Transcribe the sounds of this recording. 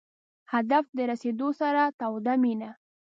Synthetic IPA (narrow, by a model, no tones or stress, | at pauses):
had̪afd̪əɾased̪osaɾat̪awd̪amina